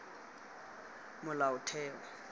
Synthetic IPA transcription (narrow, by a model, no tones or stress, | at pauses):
mʊlaʊtʰɛːɔ